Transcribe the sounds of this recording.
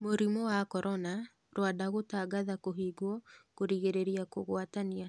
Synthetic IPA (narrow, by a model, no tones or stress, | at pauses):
moɾimɔwakɔɾʔɔna | ɾwadaɣotaɡaðakoɦiːɡwɔkoɾiɣeɾeɾiakoɣwatania